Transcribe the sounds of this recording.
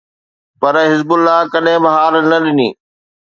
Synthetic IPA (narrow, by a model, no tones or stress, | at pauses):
pɐɾɦɪzbʊlːakɐɗɦɪ̃bɐɦaːɾnɐɗɪniː